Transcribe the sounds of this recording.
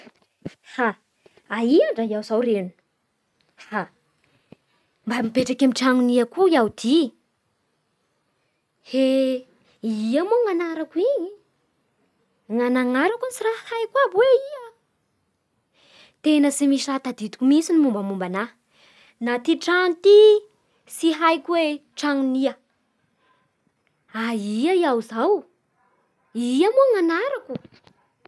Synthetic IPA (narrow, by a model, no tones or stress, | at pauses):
ha | aiaɳɖ͡ʐaiawzawrenu̥ | ha | mbamipeʈ͡ʂakamiʈ͡ʂaŋuniakuiawd̪̥i | he | iamoŋanaɾakwii | ŋanaŋaɾakunsirahajkwabweia | t̪enəsimisat̪ad̪it̪u̥kʲumisinimumbamumbana | nat̪iʈ͡ʂant̪i | siɦajkweʈ͡ʂaŋniə | aiaiawzaw | iiamoŋanaɾaku